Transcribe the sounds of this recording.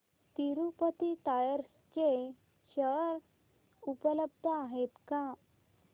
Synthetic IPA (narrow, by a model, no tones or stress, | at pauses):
t̪iɾupət̪it̪ajəɾske | ɕəɾ | upələb̚d̪ʱəaɦet̪ka